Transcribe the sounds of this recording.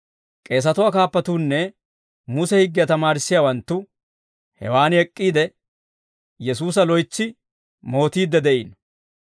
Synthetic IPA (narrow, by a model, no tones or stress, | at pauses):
kʼe̞ːs̬ɐt̪ʊwaːkaːpːɐt̪uːnːɛ | mʊsɛhɪɡːɪjɐt̪ɐmaːɾɪsːɪjaːwɐnt̪ːʊ | hɛ̰waːnɛkʼːiːd̪ɛ | jɛsuːs̬ɐlɔjt͡sːɪ | mo̞ːt̪iːd̪ːɛd̪ɛʔḭːn